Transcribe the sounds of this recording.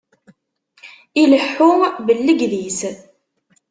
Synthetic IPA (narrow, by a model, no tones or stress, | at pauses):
iləħːʊmbəlːəɡðis